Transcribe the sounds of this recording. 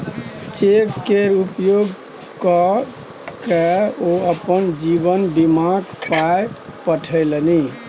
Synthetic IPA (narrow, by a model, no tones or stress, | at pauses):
t͡ʃekːeɾupjoɡ | kɔ | keoəpənd͡ʒibənbimaɡpajpəʈʰəɪləni